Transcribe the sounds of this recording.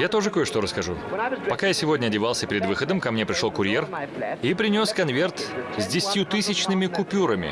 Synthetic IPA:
jat̪oʐɨko̞jɪʂt̪oɾəskɐʐṵpɐkajasʲɪvo̞dʲnʲəɐdʲɪvalˠsʲəpʲɪɾʲɪd̪vɨxəd̪əmkɐmnʲe̞pɾʲɪʂlˠokʊɾʲje̞ripɾʲɪnʲo̞skɐnvʲe̞rt̪zʲdʲɪsʲt̪ʲjut̪ɨsʲɪt͡ɕnɨmʲɪkʊpʲuɾəmʲɪ̰

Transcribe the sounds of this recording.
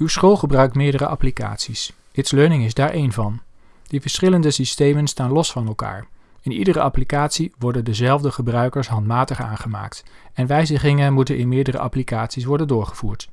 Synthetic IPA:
ywsχolˠχəbrœɥk̚tmɪːɹdəɾəʔɑ̰plika̰ːtsis | ɪtsløːnɪŋɪzdaːɹʔejnvɑn | d̥ivəɹsχɪləndəsistejmənstaːnlɔsfɑnɛlˠka̰ːɹ | ɪnḭdəɾəʔɑplikaːtsiʋɔɹdəndəzɛlˠvdəχəbrœɥkəɹsɦɑntmaːtəχa̰ːnχəma̰ːkt | ɛnʋɛjzəχɪŋənmutənʔɪnmɪːɹdərə̰ʔɑ̰plikaːtsis̬ʋɔɹdəndʊːɹχəvuːɹt

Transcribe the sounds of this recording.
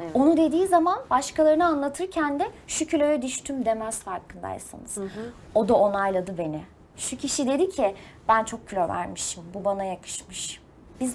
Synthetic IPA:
o̞nud̪e̞d̪iːzamanbaʃkalˠaɾɯnɯanlˠat̪ʰɯɾcʰænd̪ɛʃucʰylʲøjɛd̪yʃt̪ʰymd̪e̞mæsfaɾkʰɯnd̪a̰j̰sa̰nɯz̥ | o̞d̪ao̞najlˠad̪ɯbe̞nɪ | ʃucʰiʃid̪e̞d̪icʰɪb̥ænt͡ʃʰo̞k̚cʰːylʲøɾvæ̰ɾmɯʃɯmbubanajakʰɯ̥ʃmɯʃ | biz

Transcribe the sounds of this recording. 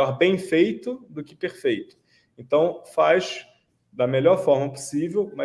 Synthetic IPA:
ɔɾbẽj̃fejt̪ʊd̪ʊkɪpeɾfejt̪ʊ̥ | ẽt̪ɐ̃w̃fajʃ | d̪ɐmeʎɔɾfɔɾmɐpo̥sivewmɐ

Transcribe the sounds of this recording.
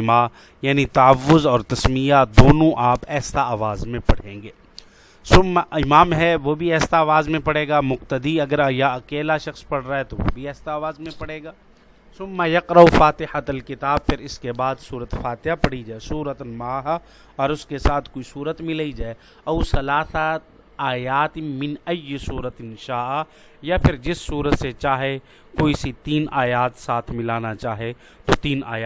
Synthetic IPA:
ma | jaːnit̪ɐəʋːʊzɔːɾt̪ɐsmijad̪oːnõʔaːpɛːsaaːʋaːzmẽpɐɽ̤ẽːŋɡeː | sʊmːaɪmaːmɦɛʋobʱiɛːsaːʋaːzmẽpɐɽeːɡaːmʊq̚t̪əd̪iɐɡəɾɐjaɐkeːlaʃɐxspɐɽ̤ɾaːɦɛt̪oʋo̰bʱiɛːsaːʋaːzmẽpɐɽeːɡaː | sʊmːajɐqɾɐufaːt̪ɪhɐt̪ɐlkɪt̪aːb̚fʰɪɾɪskebaːd̪suːɾət̪faːt̪ɪjapɐɽ̤id͡ʒaːesuːɾət̪maːɦ | ɔːɾʊskesaːt̪ʰkoːisuːɾət̪mɪlaid͡ʒaːe | ɐusɐlaːsa | aːjaːt̪mɪnɐjːsuːɾət̪ɪnʃaːʔa | japʰɪɾd͡ʒɪsːuːɾət̪set͡ʃaːɦe | koːisit̪iːnaːjaːt̪saːt̪ʰmɪlaːnat͡ʃaːɦe | t̪ot̪iːna̰ːjaː

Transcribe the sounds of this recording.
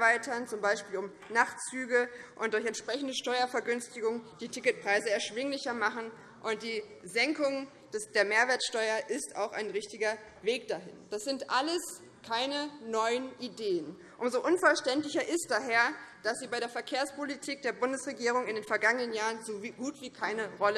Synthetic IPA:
vaɪtɐnt͡sʊmbaɪʃpiːlʊm | naχtt͡syːɡəʔʊntd̥ʊɐçɛntʃpʁ̥ɛçn̩dəʃtɔʏɐfɛɐɡʏnstɪɡʊŋd̥iːtʰɪkət̚pʁ̥aɪzəɛɐʃv̥ɪŋlɪçɐmaχn̩ | ʔʊnt̚d̥iːzɛŋkʊŋ | d̥ɛsd̥eːɐmeːɐveːɐtʃtɔʏɐʔɪsta̰ʊxaɪnʁɪçtɪɡɐ | veːk̚d̥aɦɪ̰nd̥asz̥ɪntʔaləs | kʰaɪnənɔʏənʔideːən | ʔʊmzoʔʊnfɛɐʃtɛntlɪçɐʔɪst̚d̥aːɦeːɐd̥asz̥iːbaɪɾeːɐfɛɐkʰeːɐspolitʰiːk̚d̥eːɐbʊndəsʁeɡiːʁ̞ʊŋɪndeːnfɛɐɡaŋənənjaːʁənzovɡuːtv̥iːkʰaɪnəʁɔlə

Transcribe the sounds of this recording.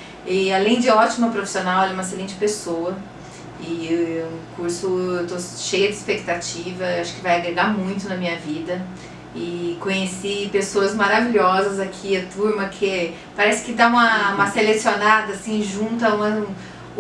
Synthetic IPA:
ɪalẽj̃d͡ʒɪɔt͡ʃimʊpɾofi̥sionawɛlɛũmɐes̬elẽnt͡ʃɪ̥pesowɐ | ɪũkuɾsʊewt̪oʃejɐd͡ʒɪispek̚t̪at͡ʃivɐewaʃʊ̥kɪvajaɡɾeɡamũj̃t̪ʊnɐmĩɲɐvid̪ɐ | ɪkõɲesipesoɐzmaɾaviʎʲɔzɐzakʰiɐt̪uɾmɐkʰɪ | paɾɛsɪ̥kɪd̪aũmɐũmɐselesionad̪ɐasĩʒũt̪ɐũmɐ̃

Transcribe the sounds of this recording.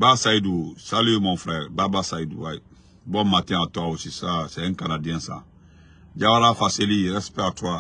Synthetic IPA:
basaidusalijemɔ̃fɾaɛbabasaidṵwaje | bɔmatɛ̃atɔosisasɛ̃ɛ̃ŋkanadiɛ̃sã̰ | d͡ʒawaɾafaseliɛɾɛspɛtuɾa

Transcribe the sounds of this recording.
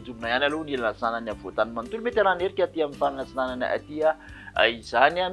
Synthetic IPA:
d͡zuminajanalunilanasananav̥ot̪animant̪ulmet̪eɾaneɾikʲat̪iamifaŋasinanana̰ʔa̰t̪iaa̰izaniam

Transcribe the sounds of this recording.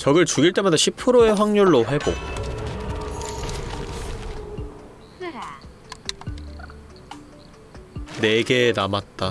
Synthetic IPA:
t͡ɕʌɡɯɭt͡ɕuɡiɭt͈e̞madaɕʰipʰɯɾoe̞ɸwaŋɲuɭːoɸe̞bo̰ | ne̞ɡe̞namat̚t͈a

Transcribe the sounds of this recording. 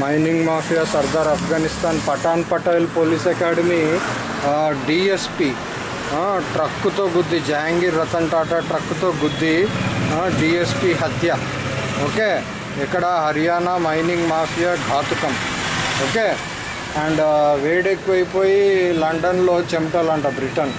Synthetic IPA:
mɐjniŋɡmaːpʰijasɐɾd̪aːɾɐpʰɡaːnist̪aːnpɐʈaːnpɐʈɐjlpoːliːsɐkaːɽɐmi | ɖiːespiː | ʈɾɐkːut̪oːɡud̪ʱːid͡ʒaːŋɡiɾɐt̪ɐɳʈaːʈɐʈɾɐkːut̪oːɡud̪ʱːi | ɖiːespiɦɐt̪jɐ | oːkeː | ɛkːɐɽɐɦɐɾijaːnamɐjniŋɡmaːpʰijaɡʱaːt̪ukɐm | oːkeː | ɐɳɖʋeːɽeːkpoːjipoːjilɐɳɖɐnloːt͡ʃemʈɐlɐɳɖɐbɾiʈɐn

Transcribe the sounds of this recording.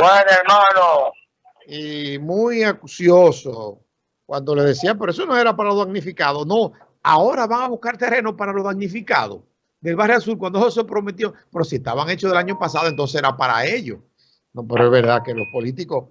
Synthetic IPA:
bwenoeɾmano | imujakusjoso | kwand̪o̞leðe̞siap̬e̞ɾoe̞s̬o̞no̞e̞ɾapaɾaloðaɡnifikaðonõ̞ | aoɾaβaŋaβuhkaɾt̪ere̞nopaɾalo̞ðaɡnifika̰ðo̞̰ | d̪e̞lβarealsulkwand̪eos̬epɾo̞me̞t̪̬jope̞ɾo̞sieht̪aβaŋe̞t͡ʃoðe̞laɲo̞pasaðoent̪onseseɾapaɾa̰e̞ʎo | nope̞ɾoeβe̞ɾðakelo̞spo̞lit̪iko̞s

